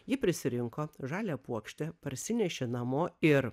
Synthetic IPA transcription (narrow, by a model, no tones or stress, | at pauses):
jɪpʲɾʲɪsʲɪɾʲɪŋkoːʒɑːlʲɛpuɔkʃʲt̪ʲɛpɐɾʲsʲɪnʲɛʃʲenɐmoːɪɾ